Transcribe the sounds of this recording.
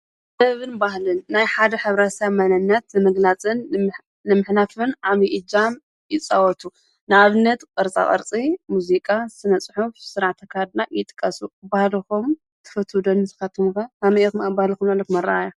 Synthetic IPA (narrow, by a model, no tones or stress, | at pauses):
dɐβɨnbaɦlɨnːajħad̪ɐħɨβɾasamanɐnːɐt̪nɨmɨɡlat͡sʼɨn | nɨmɨħnafɨnʕamiʔid͡ʒam | jɪt͡sʼawɔt̪ʰu | nɨaβɨnːɐt̪kʼɐɾt͡sʼa̰kʼɐ̰ɾt͡sʼimuzikʼasɨnɐt͡sʼɨħufsɨɾaʕt̪ʰɐkʰahad̪najɪt̪ʼɨ̥kʼːɐsubahlɨxum | t̪ʰɨ̥fɐt̪ʰːud̪onːɨt̪ʰɨ̥ɐt̪ʰɨmkɐamikmabahlɨxumnalːɐkmɐɾa̰aja